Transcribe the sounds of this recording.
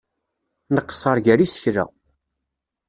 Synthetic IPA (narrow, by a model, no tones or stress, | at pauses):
nəqːə̥sˤɑɾˤʝæɾisə̥çɾæ̰